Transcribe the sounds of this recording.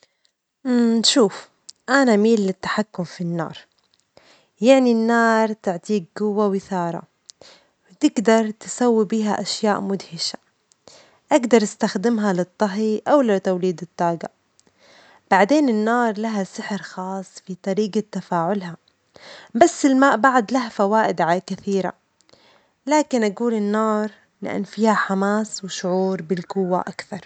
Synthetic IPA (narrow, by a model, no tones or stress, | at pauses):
ʃuːf | ʔanamiːlːɪt̪ːḁħakːʊmfinːɑ̰ːɾˤ | jaʕninːɑːɾˤt̪ɪʕt̪iːk̚ɡʊwːawɪθɑːɾˤɑ̰ | wt̪ɪɡd̪ɑɾˤt̪ɪ̥sawːibiːɦaʔaʃjaːʔmʊd̪hɪʃḁ | ʔaɡd̪ɑɾˤʔɪst̪axd̪ɪmɦalɪt̪ˤːɑɦiʔawlɪt̪awliːd̪ɨt̪ˤːɑːɡa | b̥aʕd̪eːnɪnːɑːɾˤlaɦasɪħɾxɑːsˤːfit̪ˤɑɾiːɡat̪ːafaːʕʊlɦa | basːɪlmaːʔbaʕd̪laɦafawaːʔɪd̪ʕalakɪθiːɾa̰ | laːkɪnʔaɡuːlɪnːɑːɾˤ | la̰ʔɪ̰nfiːhaħamaːswɪʃʊʕuːɾbɪlkʊwːa̰ʔakθɑɾˤ